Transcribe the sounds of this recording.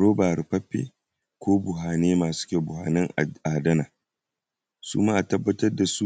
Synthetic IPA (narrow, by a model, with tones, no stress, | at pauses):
ɽoː˦baː˨ɾi˨pɐ˦ɸːḛ˦ | kʷoː˦bʊ˨ɦaː˨neː˦maː˨su̥˦kʲeː˨bʊ˨ha̰ː˨nɪ˦ŋʔaː˨dɐ˦naː˨ | sṵ˦maː˦ʔa˨tɐ˦bːɐ˦tɐ˦rda˨su˦